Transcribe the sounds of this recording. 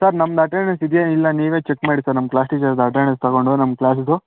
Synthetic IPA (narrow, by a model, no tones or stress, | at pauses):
sɐɾnɐmːɐd̪ɐʈeɾɳesid̪jeilːɐniːʋeːt͡ʃekmaːɽisɐːɾnɐmklaːsʈid͡ʒɐɾd̪ɐʈ̬eːɾɳest̪ɐɣoɳɖunɐmklaːsd̪u